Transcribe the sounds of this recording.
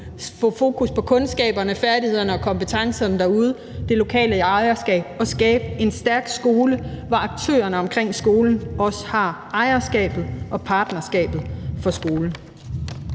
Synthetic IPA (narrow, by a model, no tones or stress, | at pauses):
fɔ̰fo̝̰ːkʰuspʰɒ̽kʰɔ̽nsɡ̥ɛ̰ːb̥ɐnəfæɐdihe̝ð̞̰ˠɐnəɒ̽kʰɒ̽mb̥ət͡sʰɑ̈ŋsɐnəd̥æɐuð̞ˠ | d̥e̝lo̝kʰɛ̰ːləɑ̈ɪɐsɡ̥ɛ̰ːb̥̚ɒ̽sɡ̥ɛːb̥̚e̝nsd̥æɐɡ̥sɡ̥o̝ːləʋɑ̈ɑ̈ɡ̥̚t͡sʰø̰ːɐnəɒ̽mkʰʁeŋ̰sɡ̥o̝ːln̩ɒ̽sə̥hɑ̈ | ɑ̈ɪɐsɡ̥ɛ̰ːb̥ð̞̩ˠʔɒ̽pʰɑ̈ːd̥nɐsɡ̥ɛ̰ːb̥ð̩ˠfɒ̽sɡ̥o̝ːln̩